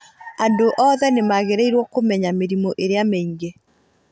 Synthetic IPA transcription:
andoʔɔːðɛnemaɣeɾeiɾwɔkomɛɲameɾimɔʔeɾeameiŋɡe

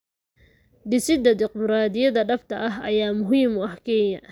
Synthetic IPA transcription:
d̪ɪsɪd̪ɐd̪ɪqmɾaːd̪ɪjɐðɐɖɐft̪ʰɐʔɐɦɐ̰jaːmʊɦiːmʊɐhkʰɛːjɐ

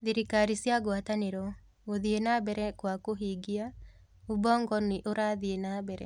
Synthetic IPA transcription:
ðiɾikaɾisiaɡwataneɾɔ | oðienabɛɾɛkwakoɦiɡia | ubɔŋɡɔneʔoɾaðienabɛɾɛ̰

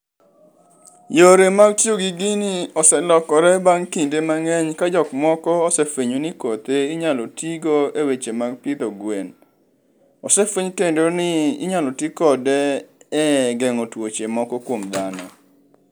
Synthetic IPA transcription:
joɾemaɡtjoɡiɡiniɔsɛlɔkɔɾɛbaŋkindemaŋɛɲkad͡ʒɔkmɔkɔːsɛfeɲonikot̪eiɲalɔtiɡoewet͡ʃemaɡpit̪ɔɡwen | ɔsɛfweɲtendonɪḭɲalɔtikɔdɛɛɡɛŋɔtwot͡ʃemɔkɔkwomd̪anɔ̰

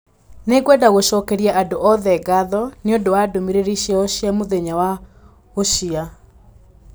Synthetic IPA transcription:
neɡwɛdaɣoɕɔkɛɾiɛʔadoʔɔðɛɡaðɔneondowadomiɾeɾiɕiɛoɕiamoðeɲawa | oʃia

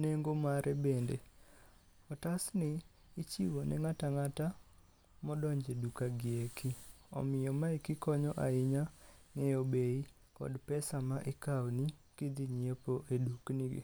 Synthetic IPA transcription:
neŋɡomaɾɛbendḛ | ɔtasnɪː | t͡ʃiwonɛ̰ŋataŋata | mɔdɔɲd͡ʒedukaɡɪekʰi | ɔ̰mɪjɔmaikɪkɔɲɔʔaɪɲa | ŋɛjobei | kɔ̰dpɛsamaʔɪkawnikid̪iɲiepoʔeduknḭ

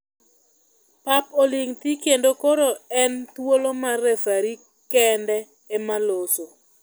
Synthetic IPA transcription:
papoliŋt̪ikendokoɾoɛnt̪wolomarɛfaɾi | kɛndɛː | maloso

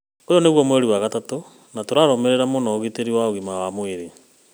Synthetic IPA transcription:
ojɔneɣwɔmweɾiwaɣatato | natoɾaɾɔmeɾeɾamonɔɣiteɾiwaoɣimawamweɾe

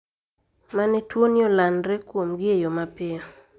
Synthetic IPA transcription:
manɛtwonɪolanɾɛkwomɡɪejomapɪɔ

